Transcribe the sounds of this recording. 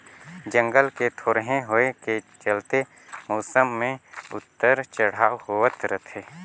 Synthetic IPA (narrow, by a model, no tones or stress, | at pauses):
d͡ʒə̃ŋɡəlket̪ʰoːɾɦẽɦoeket͡ʃəlt̪e | moːsəmːẽʊ̰t̪ːəɾt͡ʃəɽ̤aːɦoət̪ɾət̪ʰeː